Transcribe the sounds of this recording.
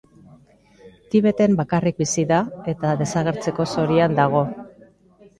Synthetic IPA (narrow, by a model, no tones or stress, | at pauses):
t̪iβe̞t̪e̞mbakarik̚bisiðae̞t̪aðe̞saɣ̞e̞ɾt͡se̞ko̞so̞ɾiand̪aɣ̞o̞